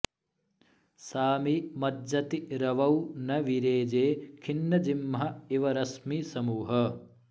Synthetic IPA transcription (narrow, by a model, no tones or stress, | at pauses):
saːmimɐd͡ʒɐt̪iɾɐʋɐwnɐʋiɾeːd͡ʒeːkʰinːɐd͡ʒimːɦɐiʋɐɾɐsmisɐmuːɦɐ